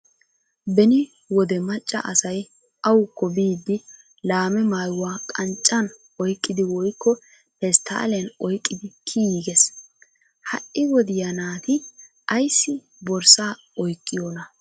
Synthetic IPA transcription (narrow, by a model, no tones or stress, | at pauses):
bɛnɪ | wɔd̪ɛmɐt͡ʃʼːɐ̰ʔɐsɐj | ɐwʊkːɔbiːd̪ːɪ | laːmɛmaːjʊwaːkʼɐnt͡ʃʼːɐn | ɔjkʼːɪd̪ɪwɔjkːɔ | pɛst̪ʰːɐ̰ːlɛnɔjkʼːɪd̪ɪkʰijiːɡɛs | hɐ̰ʔɪwɔd̪ɪjɐnaːt̪ɪ | ʔɐjsːɪ | bɔɾsaː | ɔjkʼːɪjoːnɐ